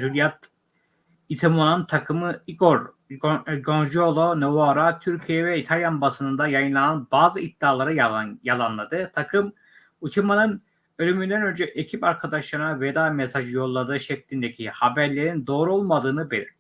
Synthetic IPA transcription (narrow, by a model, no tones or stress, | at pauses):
ʒylʲijat̪ | it̪ʰimonaɯnt̪ʰakʰɯmɯiɡoɾ | ɡonʒolˠonovoɾat̪ʰyɾcʰijɛvɛit̪ʰalʲjanbasɯnɯnd̪ajajɯnlˠananbaːzɯid̪̥ːaːlˠaɾɯjalˠanlˠad̪ɯt̪ʰakʰɯm | ut̪ʰimanɯn | ø̞lʲymynd̪ænø̞nd͡ʒɛʔecʰipaɾkʰad̪aʃlˠaɾnaved̪aːmesaʒɯjo̞lˠːad̪ɯːʃɛclʲind̪e̞cʰihabæɾlʲe̞ɾind̪o̞ːɾuo̞lˠmad̪ɯːnɯbelʲiɾ